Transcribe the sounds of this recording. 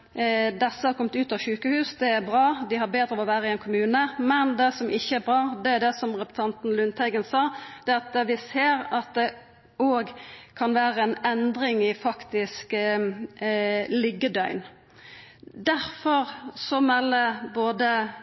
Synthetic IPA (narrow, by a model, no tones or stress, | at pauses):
d̪ɛsːəhɑɾkʰɔmt̪ʉːt̪ɑːʋʃʉːkəhʉːsd̪ɛæɾbʁɑːd̪ɪhɑɾbeːd̪ɾəɔʋæːʁəɪɛnkʰʊmʉːnəmɛnd̪ɛsɔmʔɪçːəæɾbʁɑːd̪ɛæd̪ɛsɔmʁɛpt̪ʰɑnt̪n̩lʉnt̪ʰæɪɡənsɑːd̪̥ɛːɑt̪ʋɪseːɾɑt̪̚d̪ɛ | oːɡkʰɑnʋæːʁəɛnɛnd̪ɾɪŋɪfɑkt̪ɪsk | lɪɡːəd̪œʏn | d̪æɾfɔʁsɔmɛlːəboːd̪ə